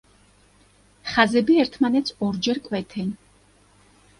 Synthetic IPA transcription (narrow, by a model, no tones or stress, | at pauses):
χazɛbiɛɾt̪ʰmanɛt̪sʰɔɾd͡ʒɛɾkʼwɛt̪ʰɛn